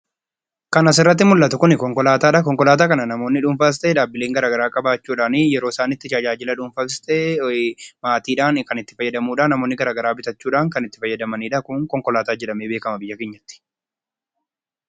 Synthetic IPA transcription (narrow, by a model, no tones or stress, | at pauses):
kɐnɐsɪrːɐt̪̬ːɪmʊlːɐt̪ʊkʊnɪkɔŋkɔlaːt̪aːᶑɐkɔŋkɔlaːt̪aːkɐnɐnɐmo̞ːnːɪᶑʊmfɐs̬t̪ʼɛːᶑaːbːɪle̞ːŋɡɐɾaːɡɐɾaːkʼɐbaːt͡ʃːuːᶑaːnɪjɛɾo̞ːsaːnɪːt̪ːɪt͡ʃaːd͡ʒaːd͡ʒɪlɐᶑʊmfɐst̪ɛ | maːt̪iːᶑaːnkɐnɪt̪ːɪfɐjːɐd̪ɐmuːᶑaːnɐmoːnːɪɡɐɾaːɡɐɾaːbɪt̪ɐt͡ʃːuːᶑaːŋkɐnɪt̪ːɪ̥fɐjːɐd̪ɐmɐniːᶑɐkʊŋkɔŋkɔlaːt̪aːd͡ʒɛᶑɐmeːbe̞ːkɐmɐbɪjːɐkeːɲːɐt̪ːɪ̥